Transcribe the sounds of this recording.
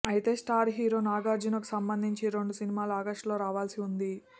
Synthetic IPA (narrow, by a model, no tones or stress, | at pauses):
ɐjt̪e̞ːsʈaːɾɦiːɾo̞ːnaːɡaːɾd͡ʒunɐku̥sɐmbɐnd̪ʱiɲt͡ʃiɾo̞ɳɖusinimaːluɐːɡɐʂʈlo̞ːɾaːʋaːlsiund̪i